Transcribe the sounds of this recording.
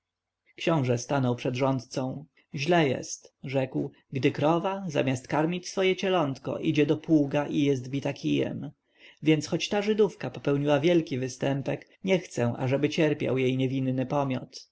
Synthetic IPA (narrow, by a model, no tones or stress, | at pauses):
kɕɔ̃w̃ʐɛst̪anɔwpʂɛd̪ʐɔnt̪t̪sɔ̃w̃ | ʑlɛjɛ̰st̪ʐɛkw | ɡd̪ɘkɾɔvaza̰mʲast̪kaɾmʲit͡ɕsfɔjɛt͡ɕɛlɔnt̪kɔ̰ʔid͡ʑɛd̪ɔpuɡaʔijɛst̪bʲit̪akʲʰijɛ̰m | vʲjɛnsxɔt͡ɕt̪aʐɘd̪ufkapɔpɛwɲiwavʲjɛlkʲivɘst̪ɛmpɛk | ɲɛxt̪sɛ̃ʔa̰ʐɛbɘt͡ɕɛɾpʲja̰wjejɲevʲinːɘpɔmʲjɔ̰t̪